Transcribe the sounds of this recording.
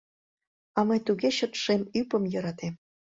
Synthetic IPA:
ɑmɤjt̪uɣeɕət̪ʃemypə̆mjɤ̆ɾɑt̪em

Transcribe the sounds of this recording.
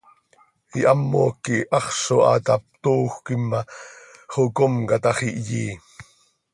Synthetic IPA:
iʔɑmːo̰ːkːiʔɑχsoʔɑ̰t̪ɑp̚t̪uːxʷkimːɑχokomkɑt̪ɑχiʔjiː

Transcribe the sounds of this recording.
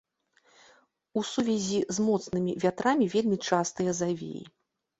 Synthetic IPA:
usuvʲɛzʲizmɔt̪snɨmʲivʲat̪ɾamʲivʲelʲmʲit͡ʂast̪ɨjɐzavʲḛjḭ

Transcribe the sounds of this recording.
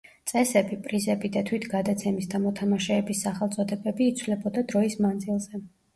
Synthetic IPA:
sʼɛsɛbipʼɾizɛbid̪at̪ʰwit̪ʰɡad̪at̪sʰɛmisd̪amɔt̪ʰamaʃɛːbisːaχɛlˠt̪sʼɔd̪ɛbɛbiːt̪sʰwlɛbɔd̪ad̪ɾɔismand̪zilˠzɛ

